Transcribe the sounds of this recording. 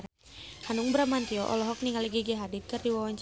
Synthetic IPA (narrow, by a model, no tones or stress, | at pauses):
hanuŋbɾamant̪iɔʔɔ̰lɔɦɔk̚niŋaliɡiɡɛɦadit̪̚kɨrdiwawaɲt͡ʃ